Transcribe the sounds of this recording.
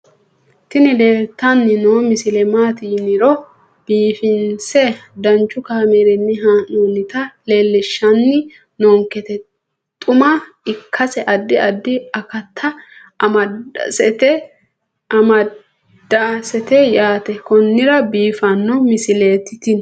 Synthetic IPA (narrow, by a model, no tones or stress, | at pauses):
t̪ɪnɪleːt̪ːɐnːɪnoːmɪsɪlɛmaːt̪inɪɾɔ | b̥iːfɪnsɛd̪ɐnt͡ʃːʊkaːmeːɾɛnːɪɦanonɪt̪ɐle̞ːlːɛʃːɐnːɪ | noːŋkɛt̪ɛ | t̪ʼʊmɐ | ɪkʰːɐsɛʔɐd̪ːɪɐd̪ːɪɐkɐt̪ʰːɐ | ʔɐmɐd̰sɛt̪ɛ | ɐmɐ | d̪̥asɛt̪ɛjaːt̪ɛkɔnːɪɾɐbiːfɐnːɔmɪsɪleːt̪ːɪt̪ɪn